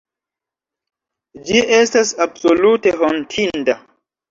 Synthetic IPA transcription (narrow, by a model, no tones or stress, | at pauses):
d͡ʒiʔe̞stasabsolute̞ɦontʰinda